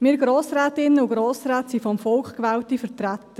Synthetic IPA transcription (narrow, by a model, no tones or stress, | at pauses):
mɪɾɡ̥ɾoːsɾɛːtɪnːəuɡɾoːsɾɛːtsifɔmfɔlkχkʋɛːltifəɾtɾæt̪ə